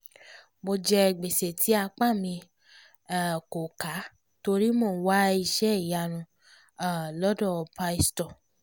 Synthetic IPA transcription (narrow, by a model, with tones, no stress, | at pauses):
mo˧d͡ʒɛ˧˨ɡ͡be˨se˨tʰi˨˦a˧k͡pa˦˨mĩ˧ | a˨ko˨ka˨˦ | to˧ɾi˦mõː˦˨˦wa˦i˧ʃɛ˦i˦˨ja˧ɾ̃ũ˧ | a˨lɔ˦dɔ˦˨˧pa˧˦i˦stɔ˨